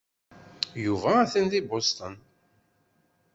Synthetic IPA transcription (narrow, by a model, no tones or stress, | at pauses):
juvæːθənðibost̪ən